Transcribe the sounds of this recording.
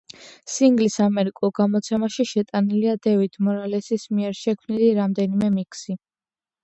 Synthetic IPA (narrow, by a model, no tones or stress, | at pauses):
siŋɡlisamɛɾikʼulˠɡamɔt̪sʰɛmaʃiʃɛt̪ʼaniliad̪ɛvit̪ʰmɔɾalɛsismiɛɾʃɛkʰmniliɾamd̪ɛnimɛmikʰsi